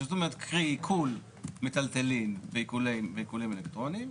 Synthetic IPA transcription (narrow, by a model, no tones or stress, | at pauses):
zot̪omeet̪̚kʰʁiikʰul | met̪alt̪elinveikuleveikulimelekt̪ʁonim